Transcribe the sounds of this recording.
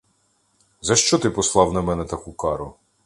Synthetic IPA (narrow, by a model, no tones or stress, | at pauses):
zɐʃt͡ʃɔt̪ɪpɔslˠɑwnɐmɛnɛt̪ɐkukɑɾʊ